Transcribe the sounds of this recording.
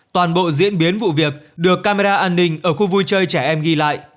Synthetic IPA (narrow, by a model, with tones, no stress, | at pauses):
t̪waː˨˩nɓo̰˧˨zḭ˧˥ənɓi˨˦ənvṵ˧˨vi˨˩ək̚ɗɨ˨˩əkːaː˧me˧zaː˧ʔaː˧nːï˧ŋ̟ʔəː˧˩xu˧vu˧jt͡ɕəː˧jt͡ɕɛː˧˩ʔɛ˧mɣi˧la̰ː˧˨jʔ